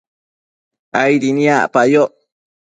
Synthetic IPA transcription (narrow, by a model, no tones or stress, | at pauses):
ajɾiniaʔpajoʔ